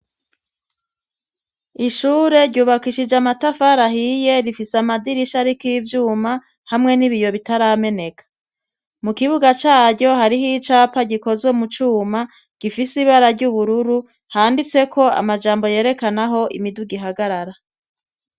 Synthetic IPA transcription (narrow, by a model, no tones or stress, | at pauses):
iʃuːɾe̞ɾɟuːβakiʃid͡ʒamatafaɾaɦije̞ɾifiseamadiɾiʃaɾikiivjuːma | hamŋe̞niβijo̞βitaɾaːme̞ne̞kḁ | mukiβuɡat͡ʃaːɾɟo̞ɦaɾiɦit͡ʃaːpaɟiko̞zwe̞mut͡ʃuːma | ɟ̥ifisiβaɾaɾɟuβuɾuɾu | haːndit͡se̞kʰo̞a̰mad͡ʒaːmbo̞je̞ːɾe̞kanaɦo̞ʔḭmiduɡiɦaɡaɾaɾa